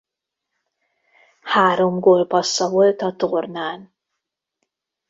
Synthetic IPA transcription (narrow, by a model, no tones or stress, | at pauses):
haːɾo̞mɡoːlpɒsːɒvo̞lt̪ɒt̪ornaːn